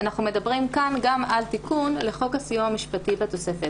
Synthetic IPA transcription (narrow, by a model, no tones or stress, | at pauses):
anaχume̞dabʁimkanɡamalt̪ikunle̞χo̞khasijumamiʃpatibeto̞se̞fet